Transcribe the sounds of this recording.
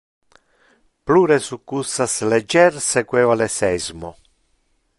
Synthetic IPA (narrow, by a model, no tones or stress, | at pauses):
pluːɾɛsukːusːaslɛd͡ʒːɛɾsɛkwɛːwalɛsɛzmo